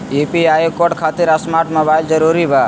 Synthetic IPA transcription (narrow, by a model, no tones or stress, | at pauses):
ipiajkoʈkʰat̪ɪɾəsmaʈmobajld͡ʒəɾuɾibʱa